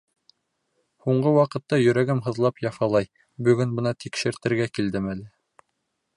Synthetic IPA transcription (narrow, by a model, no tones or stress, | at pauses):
huɴɢɤwɑqɤ̆t̪ːɑjɵ̆ɾæɡɘmɦɤ̆ðlˠɑpjɑfɑlˠɑj | bɵ̆ɡɵnbɤ̆nɑt̪ʰikʃɘ̆ɾt̪ɘ̆ɾɡækild̪ɘmælɘ